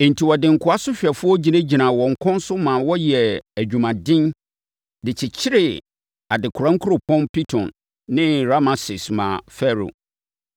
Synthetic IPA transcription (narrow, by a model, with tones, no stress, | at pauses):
ɪ˨n̩˨tʰi˨wɔ˨dɪ̃˨ŋ̩˨kʰʊ˨a˦sʊ˦ɕᶣɛ˨fʊ˦ɔ˦d͡ʑi˨næ̃˦d͡ʑi˨nã˨wɔ̃˨ŋ̩˨kʰɔ̃˦n˦sʊ˦mã˨wɔ˦jɛ˨æ˨d͡ʑᶣũ˨mã˨dɪ̃˦n | dɪ˨t͡ɕʰɪ˨t͡ɕʰɪ˦ɾɪ˨ | a˨dɪ˨kʰʊ˨ɾã˦ŋ̩˦kʰʊ˦ɾo˨pʰɔ̃˦npi˦tʰɔ̰̃˨nː | ɪ̃˦ɾa˦mã˨sɪ˨smã̰˨fɛ˦ɾo̰˨